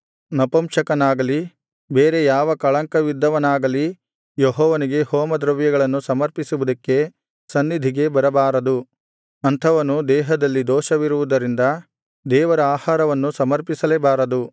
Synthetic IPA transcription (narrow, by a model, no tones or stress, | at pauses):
nɐpɐmʃɐkɐnaːɡɐli | beːɾe̞jaːʋɐkɐɭɐŋkɐʋid̪ːɐʋɐnaːɡɐli | joɦɔːʋɐniɡe̞hoːmɐd̪ɾɐʋjɐɡɐɭɐnːusɐmɐɾpisuʋud̪ɐkːe̞ | sɐnːid̪ʱiɡe̞bɐɾɐbaːɾɐd̪u | ɐnt̪ʰɐʋɐnud̪ɛːɦɐd̪ɐlːid̪ɔːʃɐʋiɾuʋud̪ɐɾind̪ɐ | d̪ɛːʋɐɾɐaːhaːɾɐʋɐnːusɐmɐɾpisɐlebaːɾɐd̪u